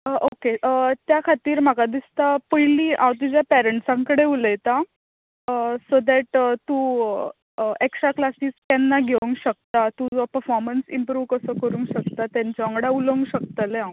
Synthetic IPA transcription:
ʔokeʔət̪jakʰat̪iːɾm̤akad̪ist̪apəjliːʔãwt̪̬ud͡ʑjapæɾəɳʈsãŋkəɽeuləjt̪a | sod̪ɛʈt̪u | eksɾaklasiːskanːaɡʱeʋũŋɡɕək̚t̪at̪ud͡zɔpəɾfɔɾmənsimpɾuʋkəsəkəɾũːŋkɕək̚t̪at̪jãɲt͡ɕɔ̃ŋɡɽauləŋɡɕəkt̪əleãw

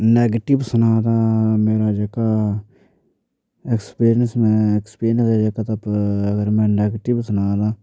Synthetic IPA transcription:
nɛːɡʈɪbsənaːd̪aːmeːɾaːd͡ʒəkaː | ekspiːɾjənsmɛ̃ːekspiːɾɪənsad͡ʒəkaːt̪apəɡəɾmɛ̃ːnɛːɡəʈɪbsənaːd̪aː

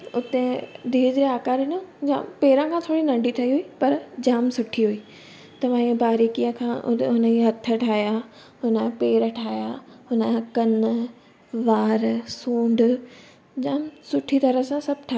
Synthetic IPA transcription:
ʊt̪ẽd̪ʱiːd͡ʑɾeaːkaːɾɪnõd͡ʑa̰ːmpeːɾãkʰãt̪ʰoːɽinɐ̃ɳɖit̪ʰɐiɦʊipɐɾd͡ʑaːmsʊʈʰiɦʊiː | t̪ɐʋ̤ãiə̃baːɾiːkijə̃kʰãːʔɦʊnəiɦɐt̪ʰə̆ʈʰaːja | ɦʊnəpeːɾəʈʰaːijaɦʊnəkɐn | ʋaːɾsũːɳɖ | d͡ʑaːmsʊʈʰit̪ɐɾəɦsãsɐbʱʈʰaː

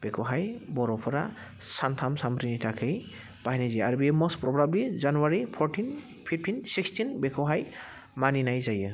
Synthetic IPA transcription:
b̥ekʰɔɦajbɔɾɔpʰɔɾa̰ | sant̪ʰamsampɾinitʰakʰɯj | b̥aɦjniziaɾbemɔspɾɔbɾablizanuwaɾipʰɔɾtʰin | pʰip̚tʰinsikstʰinbekʰɔɦaj | maninajzajɯ

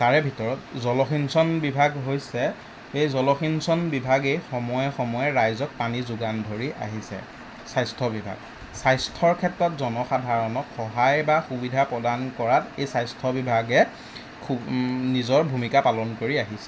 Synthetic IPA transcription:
taɹɛbʱitɔɹɔtzɔlɔxinsɔnbibʱaɡɦojsɛ | ejzɔlɔxinsɔnbibʱaɡejxɔmɔjɛxɔmɔjɛɹajzɔk̚panizuɡandʱoɹiʔa̰ɦisɛ̰ | sajstʰɔbibʱa̰ɡ̚ | sajstʰɔɹkʰɛtɹɔtzɔnɔxadʱaɹɔnɔkxɔɦajbaxubidʱapɹɔdankɔɹatejsajstʰɔbibʱaɡɛ | xunizɔɹbʱumikapalɔnkoɹiaɦisɛ

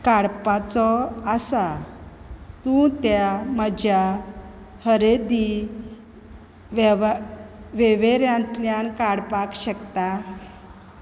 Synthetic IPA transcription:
kaɽpat͡sɔasa | t̪ũt̪jaməd͡ʑʱja | həɾed̪i | ʋ | ʋeʋeɾjãnt̪ljankaɽpakɕəkt̪a

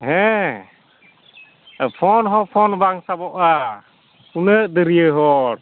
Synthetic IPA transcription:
ɦɛ̃ | pʰɔnɦɔpʰɔnbaŋsabɔʔa | unəʔd̪əɾijəɦɔɾ

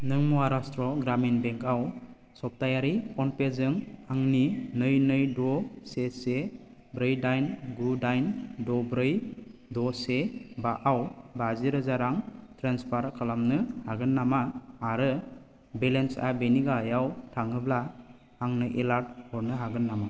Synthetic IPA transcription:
nɯŋmuwaɾastɾɔɡɾaminbɛŋkʰaw | sɔp̚tajaɾikʰɔnpezɯŋaŋninɯjnɯjdɔsese | bɾɯjdajnɡɾudajndɔbɾɯjdɔsebaʔawbaziɾɯzaɾaŋtʰɾanspʰaɾkʰɯlamnɯhaɡɯnːamaːɾɯ | belensa̰beniɡajawtʰaŋɯbla | aŋnɯjʔelaɾt̚hɔɾnɯɦaɡɯnːama

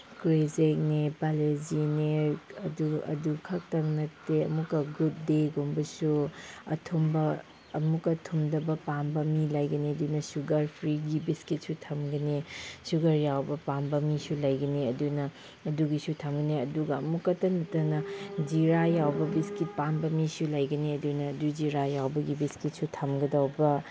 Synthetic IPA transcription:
kɾezek̚nepalezineɾɐduɐ̰dukʰɐk̚tɐŋnɐteɐmukːɐɡut̚deɡombɐsuɐ̰tʰombɐː | mukɐtʰumdɐbɐpambɐmilɐjɡɐneɐdunɐsuɡɐɾpʰɾiɡibiskit̚sutʰɐmɡɐnesuɡɐɾjawbɐpambɐmisulɐjɡɐniɐdunɐ | ɐduɡisutʰɐmɡɐneɐduɡɐɐmukːɐtɐnɐtɐnɐd͡ʒiɾajawbɐbiskit̚pambɐmisulɐjɡɐniɐdunɐːdud͡ʒiɾajawbɐɡibiskit̚sutʰɐmɡɐdawbɐ

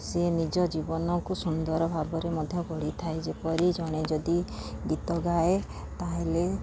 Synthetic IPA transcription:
senid͡ʒɔd͡ʒibɔnɔŋkusund̪ɔɾɔbʱabɔɾemɔd̪ʱjɔkɔɽ̤it̪ʰaed͡ʒepɔɾid͡ʒɔɽ̃ed͡ʒɔd̪i | ɡit̪ɔɡae | t̪aɦele

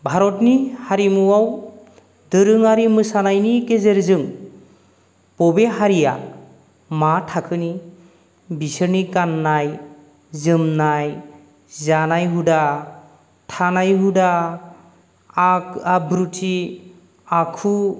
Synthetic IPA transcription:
bʱaɾɔtnihaɾimuwaw | dɯɾɯŋaɾimɯsanajnikezeɾzɯŋ | pɔbeɦaɾija | matʰakʰɯni | bisɯɾnikanːaj | zɯmnaj | zanajɦuda | tʰanajɦuda | akabɾutʰi | akʰu

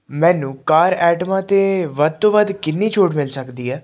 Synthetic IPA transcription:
mɛ̃ːnũːkaːɾɛːʈəmãːt̪eːʋəd̪̚t̪oːʋəd̪kɪnːiːt͡ʃʰoːʈmɪlsəkd̪iːɦɛː

